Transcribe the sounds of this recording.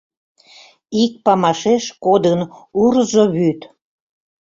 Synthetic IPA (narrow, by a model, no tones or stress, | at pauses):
ik̚pɑmɑʃeʃkod̪ənuɾzoβyt̪